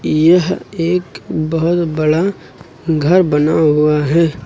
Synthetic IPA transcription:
jɐɦeːkbɐɦʊt̪bɐɽa | ɡʱɐɾbɐnaɦʊaɦɛː

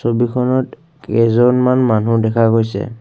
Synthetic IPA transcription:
sobikʰɔnɔt | kɛzɔnmanmanudɛkʰaɡojsɛ̰

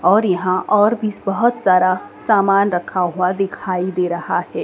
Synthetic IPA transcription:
ɔːɾjɐɦãʔɔːɾbʱisbɐɦʊt̪saːɾasaːmaːnɾɐkʰaɦʊad̪ɪkʰaːid̪eːɾɐhaɦɛː

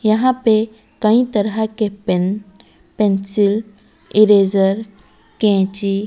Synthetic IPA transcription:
jɐɦãpe | kãĩt̪əɾakeen | pẽnsil | iɾezəɾ | kɛ̃t͡ʃi

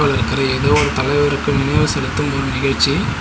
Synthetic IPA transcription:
aːɭɪɾɯkːɐɾɐeðoːɔɾɯt̪ɐlɐɪʋɐɾɯkːɯmɪnɐʋɐsɐlɯt̪ːɯmɔɾɯnɪɣɐɻt͡ʃi

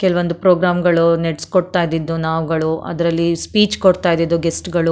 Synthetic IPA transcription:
kɛlɐʋond̪upɾoːɡɾaːmɡɐɭuneʈskoɽt̪aːjd̪id̪ːunaːʋɡɐɭuʔɐ̰d̪ɐɾɐlːispiːt͡ʃkoɽt̪aːjd̪id̪ːuɡesʈɡɐɭu

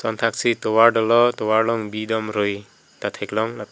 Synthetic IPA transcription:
sɔnt̪ʰak̚sit̪ɔwaɾɖɔlɔt̪ɔwaɾlɔŋbid̪ɔmɾɯj | t̪at̪ʰeklɔŋla

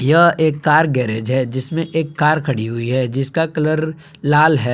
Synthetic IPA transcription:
jɐɦeːkːaːɾɡɛːɾeːd͡ʒɦɛd͡ʒɪsmẽʔeːkːaːɾkʰɐɽiɦʊiɦɛd͡ʒɪskakɐləɾ | laːlɦɛː

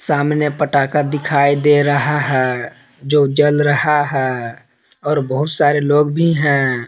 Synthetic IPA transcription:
saːmnepəʈaːkəd̪ɪkʰaːid̪eɾɐɦaɦɛː | d͡ʒoːd͡ʒəlɾɐhaɦɛː | ɔːɾbəɦʊt̪saːɾeloːɡbʱiɦɛ̃ː

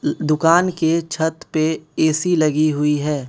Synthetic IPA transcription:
d̪ʊkaːnket͡ʃʰət̪peeːsilɐɡiɦʊiɦɛː

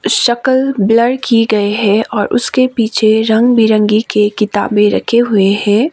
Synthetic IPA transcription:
ʃɐkəlbləɽkiɡɐeɦɛ̃ʔɔːɾʔʊ̰skepiːt͡ʃʰeɾɐ̃ŋɡbiɾə̃ŋɡikekɪt̪a̰ːbẽɾɐ̰kʰeɦʊehɛ̃ː

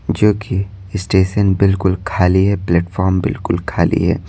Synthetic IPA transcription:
d͡ʒoːki | ɪsʈeːʃənbɪlkʊlkʰaːliɦɛplɛːʈfɔːɾmbɪ̰lkʊlkʰaːlḭɦɛ̰ː

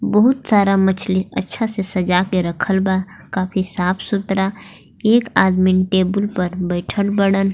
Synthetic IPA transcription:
bəɦʊt̪saːɾamɐt͡ʃʰliɐ̰tːʃʰasesɐd͡ʒaːkeɾəkʰəlbaːkaːpʰisaːpʰsʊt̪ɾa | eːkaːd̪minʈeːbʊlpɐɾbəɪʈʰəɽbəɽən

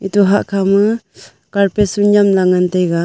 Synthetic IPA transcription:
ituɦaʔkʰamɯ | kaɾpesunjamlaŋantejɡa

